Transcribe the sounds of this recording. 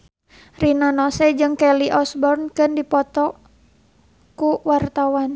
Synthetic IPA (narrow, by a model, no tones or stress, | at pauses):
rinanɔsɛd͡ʒɨŋkɛliʔɔsbɔrnkɨndipɔt̪ɔ | kuwart̪awan